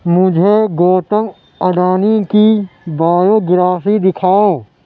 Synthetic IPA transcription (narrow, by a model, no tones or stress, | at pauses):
mʊd͡ʒʱeɡoːʈəŋɡ | ɐɖaːnikibaːjoːɡɪɾaːsid̪ɪkʰaːõ